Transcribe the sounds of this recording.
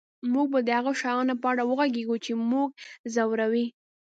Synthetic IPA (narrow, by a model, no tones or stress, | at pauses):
muɡ̚bad̪əhaɣaʃajɑnopəaɽawəɣaɡeɡut͡ʃemuɡ̚zawɾawi